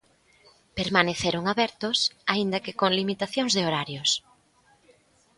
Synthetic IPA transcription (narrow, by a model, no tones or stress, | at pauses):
peɾmaneθeɾoŋaβɛɾt̪ʊsaind̪ɐkekoŋlimit̪aθjõŋzðeoɾaɾjʊs